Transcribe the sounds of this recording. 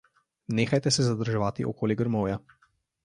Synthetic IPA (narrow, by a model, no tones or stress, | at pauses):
neːxajt̪ɛsɛzad̪əɾʒɛʋaːt̪ḭʔɔkoːliɡəɾmɔwja